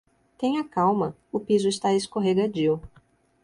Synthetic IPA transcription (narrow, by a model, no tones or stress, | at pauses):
t̪ẽj̃ɐkawmɐ | ʊpizʊɪst̪aeskoɦeɡad͡ʒiw